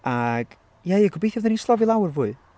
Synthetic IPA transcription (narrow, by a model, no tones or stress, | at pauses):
aɡ̥ | jajaɡʰʊbejθjɔvðɛnislˠɔvilˠawrvuːɨ